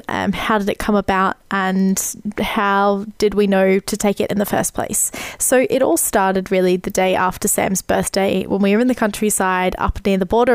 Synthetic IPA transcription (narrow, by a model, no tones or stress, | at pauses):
ʔʌ̰̃mhaʊdɨɾɨt̚kʰʌ̃məbaʊt̚ʔə̃nhaʊd̥ɨd̚winoʊɾɨtʰeɪkɨ̰ɾʔɨ̰̃nðɨfɜ̰˞spʰl̥ḛɪsːoʊʔɨɾɔ̰lˠstɑɹɾɨd̚ɹɪlˠiðɨdeɪʔæftə˞sæ̰̃mzb̥ɜ˞θd̥eɪwə̰̃nwiwə˞ɨ̃nðɨkʰʌ̃nt͡ʃɹ̥isaɪɾʌ̰pnɪɹðəbɔɾə